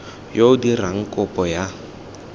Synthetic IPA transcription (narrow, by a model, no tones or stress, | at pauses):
joʊdiraŋ̩kʼʊpʼɔja